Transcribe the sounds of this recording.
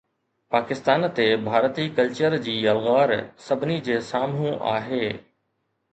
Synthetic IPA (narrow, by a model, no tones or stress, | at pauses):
paːkɪst̪aːnt̪ebʱaːɾt̪iːkɐlt͡ɕəɾd͡ʑiːɐlɣaːɾsɐbʱɪnid͡ʑeːsaːmũʔa̰ːɦeː